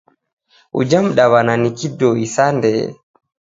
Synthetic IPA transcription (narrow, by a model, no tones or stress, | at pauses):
ʔṵd͡ʒamɗawananikidɔisandɛ̰